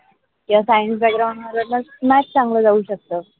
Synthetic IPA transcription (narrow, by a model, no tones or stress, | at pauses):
kiasajənsbæk̚ɡɾaw̃ɳɖməɾəʈnasmæt͡ɕt͡sãŋɡləːd͡zauːɕək̚t̪əː